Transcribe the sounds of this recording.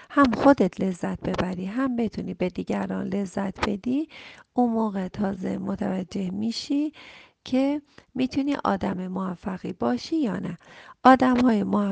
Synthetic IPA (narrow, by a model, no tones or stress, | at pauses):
hæmxo̞d̪et̪ʰle̞zːæt̪̚b̥e̞bæɾiːɦæmbet̪ʰuniːbe̞d̪iːɟæɾɒ̰ːnle̞zːæt̪ʰbe̞d̪iːʔunmoːɣe̞t̪ʰɒːze̞̰mot̪ʰævæd͡ʒːe̞hmiːʃiːcʰemiːt̪ʰuniːʔɒ̰ːd̪æmemoæfːæɣiːbɒːʃiːjɒːnæʔɒːd̪æmhɒːjemo